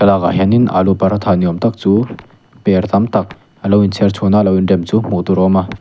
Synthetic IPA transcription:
kalaɡa̰ɦaninʔa̰lupaɾat̪ʰaniɔmt̪ak̚t͡su | peɾt̪amt̪ak̚ | alawint͡sʰeɾt͡sʰonalawindemt͡sum̥ot̪uɾɔma

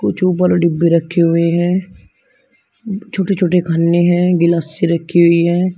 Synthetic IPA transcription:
kʊt͡ʃʰuːp̬əɾɖɪbːiɾɐkʰːeɦʊeɦɛ̃ː | t͡ʃʰoːʈet͡ʃʰoːʈekʰɐnːeɦɛ̃ːɡɪlaːsiɾɐkʰːeɦʊiɦɛ̃ː

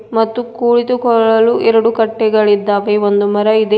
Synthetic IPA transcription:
mɐt̪ːukuːɭit̪ukɔɭɐluʔɛɾɐɽukɐʈːɛɡɐɭid̪ːaːʋeond̪umɐɾɐid̪e

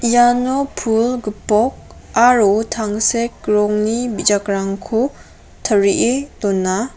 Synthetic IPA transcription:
janɔpʰulɡɯpɔk̚aɾutʰaŋsek̚ɾɔŋnibid͡ʒakɾaŋkʰu | tʰəɾiʔetɔnːa

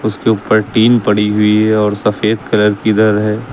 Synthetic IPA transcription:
ʊskeuːpəɾʈiːmpɐɽiɦʊiɦɛɔːɾsɐfeːd̪kɐləɾkid̪ɐɾɦɛː

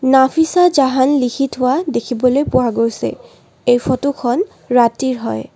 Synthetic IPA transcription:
napʰisad͡ʒaɦanlikʰitʰʊwadekʰibɔlojpʊwaɡojsɛ̰ | ejpʰɔtukʰɔn | ɹatiɹɦɔj

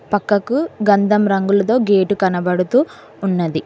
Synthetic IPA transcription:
pɐkːɐkuɡɐnd̪ʱɐmɾɐŋɡulɐt̪o̞ːɡeːʈukɐnɐbɐɽut̪uː | nːɐd̪i

